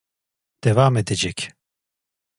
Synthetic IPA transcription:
d̪̥ɛvaːmɛd̪ɛd͡ʒɛkʲ

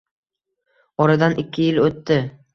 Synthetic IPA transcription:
ɒɾad̪anɪkʲʰːɪjɪlot̪ːɪ

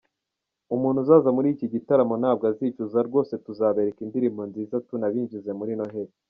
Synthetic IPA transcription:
umuːnhuzaːzamuɾiːciɟitaɾamonaːb̚ɡaziːt͡ʃuzaɾɡo̞ːse̞tuzaːβe̞ɾekindiɾimbo̞nziːzatunaβiːɲvize̞muɾino̞ɦe̞te̥

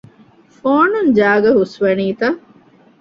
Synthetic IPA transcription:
foːnund͡ʒaːɡɐɦusʋɐniːt̪ɐ

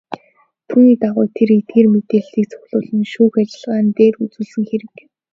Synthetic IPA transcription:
t̪ʰuːniːt̪aʁʊːjt̪ʰeɾet̪̚ɡeːrmet̪eːɮt̪iːk̚t͡sʰɔ̥xʲɮʊːɮə̆nʃuːxat͡ɕɪ̆ɮʁaːnt̪eːrut͡suːɮsɘ̆ŋxeɾɘ̆k

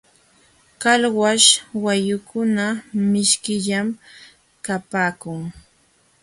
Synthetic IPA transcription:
kalwaʃwajʊkʊnamɪʃkɪʎam | kapaːkʊŋ

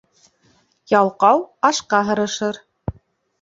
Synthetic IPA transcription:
jɑlˠqɑwɑʃqɑɦɤ̆ɾɤ̆ʃɤɾ

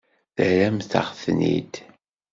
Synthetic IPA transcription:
θəɾæmθə̰ʁθnḭd̪

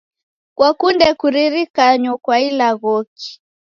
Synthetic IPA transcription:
kwakundɛkuɾiɾikaɲɔkwailaɣɔki̥

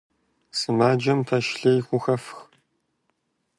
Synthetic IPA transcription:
sɨmaːd͡ʒɐmtʰɐʃɬɐjxʷʊxɐfx

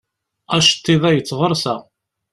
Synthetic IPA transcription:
æʃt̪ːiðˤæjət͡sːʁəɾˤsæʁ

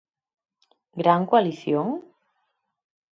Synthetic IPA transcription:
ɡɾaŋkwaliθjoŋ

